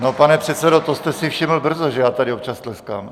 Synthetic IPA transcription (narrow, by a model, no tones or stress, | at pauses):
no̞panɛpr̝̥ɛt̪sɛdo̞t̪ost̪ɛsɪfʃɪml̩br̩zoʒɛjaːt̪adɪop̚t͡ʃast̪lɛska̰ːm